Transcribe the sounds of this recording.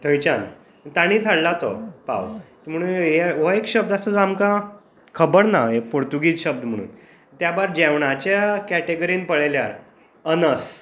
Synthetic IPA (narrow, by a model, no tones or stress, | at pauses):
t̪ʰə̃jt͡ɕan | ət̪aɽ̃iːd͡zʱaɽlat̪opa̰wt̪im̤əɽ̃uːnɦeʋoekɕəb̚d̪asət͡samka | kʰəbəɽnaepoɾt̪uɡiːt͡sɕəb̚d̪m̤əɽ̃ṵːn | t̪jabaɾd͡ʑɛʋɳ̃at͡ɕakæʈeɡəɾiːnpəɭelja̰ɾ | ənəs